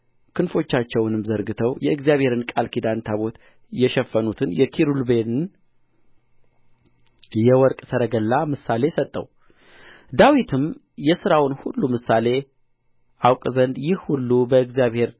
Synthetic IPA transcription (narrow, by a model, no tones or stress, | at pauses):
kʰɨnfo̞t͡ʃːat͡ʃːɛwnɨmzəɾɡɨt̪ʰəwjɛɨɡzijaβhe̞ɾɨnkʼalkʰid̪ant̪ʰaβo̞t̪ | jɛʃɛfːənut̪ʰɨnjɛkʰiɾulbe̞nɨn | jɛwɔɾkʼsəɾəɡəlːamɨsale̞sət̪ʼːə̰w | d̪awit̪ʰɨm | jɛsɨɾawnhulːumɨsale̞ | ʔawkʼzənd̪jɪhhulːubəɨɡzijaβhe̞ɾ